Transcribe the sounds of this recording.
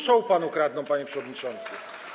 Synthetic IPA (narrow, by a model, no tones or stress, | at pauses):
ʂɔwpanukɾad̪̚nɔ̃w̃paɲɛpʂɛvɔd̪ɲit͡ʂɔnt̪sɘ